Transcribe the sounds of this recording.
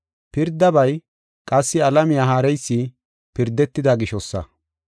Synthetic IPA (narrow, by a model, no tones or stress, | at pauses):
pɪɾd̪ːɐbɐj | kʼɐsːɪɐlɐmɪjaːɦaːɾɛjsːi | pɪɾd̪ːɛt̪ːɪd̪ɐɡɪʃɔsːɐ̰